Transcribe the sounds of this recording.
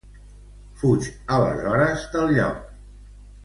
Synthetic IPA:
fut͡ʃələ̰zɔɾəzd̪əlˠʎɔ̰k

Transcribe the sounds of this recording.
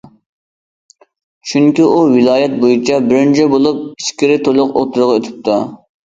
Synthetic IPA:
ʃuŋkʲiʔuwilˠɑːjɛt̪̚bojit͡ʃʰɑbɪɾɪnt͡ʃʰɛbolˠup̚i̥skʲiɾɪt̪ʰolˠʊqo̰t̪ʰʊɾʁɑøt̪ʰɪ̥p̚t̪ʰɑ

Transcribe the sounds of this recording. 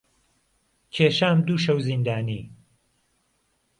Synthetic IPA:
kʰeːʃaːmd̪uːʃɐwzind̪aːniː

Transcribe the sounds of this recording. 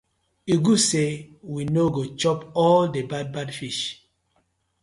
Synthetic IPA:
uɡusewinoɡot͡ʃɔpɔldebad̚badfiʃ

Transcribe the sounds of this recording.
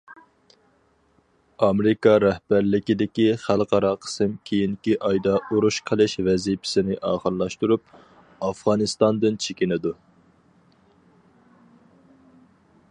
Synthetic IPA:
ɑmɾikɑɾɛhbæɾlɪkʲid̪ɪkʲiχælˠqʰɑɾɑqʰə̥sɪmkʲʰejiŋkʲiʔɑjd̪ɑuɾuʃqʰəlˠɨʃvɛzipʰɪ̥sɪnɪʔɑːχəɾlˠɑʃt̪uɾup̚ | ɑfʁɑnɨst̪ɑnd̪ɨnt͡ʃʰekʲinɪd̪u

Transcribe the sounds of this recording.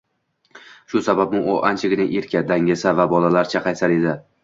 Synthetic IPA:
ʃʊsabab̚ɪʔoʔant͡ʃʰɪɡʲɪnɪŋʔeɾkʲʰad̪aŋɪsavabɒlalaɾt͡ʃʰaqʰɑjsaɾe̞d̪ɪ

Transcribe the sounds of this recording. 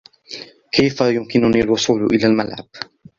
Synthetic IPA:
kʰajfajʊmkɪnʊniːlwʊsˤuːlʔɪlaːlmalʕa̰b̥̚

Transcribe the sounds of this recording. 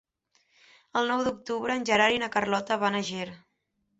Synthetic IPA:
əlˠnɔwd̪uk̚t̪uβɾəːnʲʒəɾaɾinəkərlɔt̪əβanəʒeɾ

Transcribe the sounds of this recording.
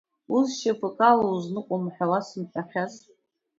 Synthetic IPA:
uzʃapʰɨkʼalouznɨkʷʼomħʷᶣawasɨmħʷᶣaχʲaz

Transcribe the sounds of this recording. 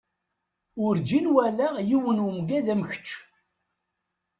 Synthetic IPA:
ʊɾd͡ʒinwælæjiwənəmɡæðæmçə̥t͡ʃː

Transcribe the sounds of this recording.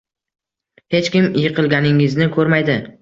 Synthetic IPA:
he̞t͡ʃkʲɪmjɨqʰɨlˠɡʲanɪŋɪznɪkʰɵɾmajd̪ɪ

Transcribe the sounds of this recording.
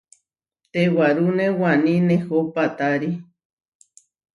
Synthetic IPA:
t̪ewaɾunewanĩnehopat̪aɾi

